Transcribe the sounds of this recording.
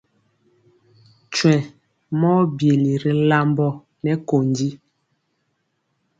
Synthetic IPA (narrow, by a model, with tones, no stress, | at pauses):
t͡ʃwɛ̃˨ | mɔː˦bje˨li˨ɾi˨la˦mbɔ˦ | nɛ˨ko˨ndi˦